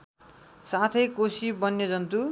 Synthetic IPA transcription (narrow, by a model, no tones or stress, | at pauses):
sat̪ʰʌjkosibʌnjʌd͡zʌnt̪u